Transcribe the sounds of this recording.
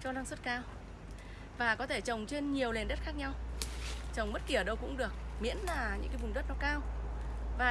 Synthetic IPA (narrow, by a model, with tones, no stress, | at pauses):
t͡ɕɔ˧laː˧ŋswə˦˥t̚kaː˧w | vaː˨˩kɔ˨˦t̪ʰe˧˩t͡ɕə˨˩wŋ͡mt͡ɕe˧nɲi˨˩əwle˨˩nɗə˦˥t̚xaː˦˥k̚ɲa˧w | t͡ɕə˨˩wŋ͡mɓə˦˥t̚ki˧˩ə˨˩ɗə˧wkʊ̰˧˥ŋ͡mɗɨ˨˩ək̚mḭ˧˥ənlaː˨˩ɲɨ̰˧˥ŋkaː˨˦vʊ˨˩ŋ͡mɗə˦˥t̚nɔ˨˦kaː˧w | vaː˨˩